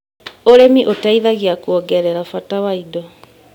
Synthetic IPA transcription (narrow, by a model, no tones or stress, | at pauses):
oɾemiʔotaiðaɣeakwɔɡɛɾɛɾafatawaidɔ